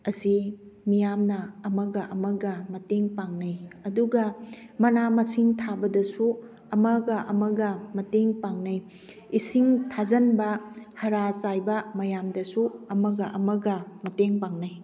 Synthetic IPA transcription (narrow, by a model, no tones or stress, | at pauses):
ɐsimijamnɐɐmɐɡɐʔɐmɐɡɐmɐteŋpaŋnɐjɐduɡɐmɐnamɐsiŋtʰabɐdɐsu | ɐmɐɡɐʔɐmɐɡɐmɐteŋpaŋnaj | isiŋtʰazɐnbɐhɐɾat͡ʃajbɐmɐjamdɐsuɐmɐɡɐʔɐmɐɡɐmɐteŋpaŋnaj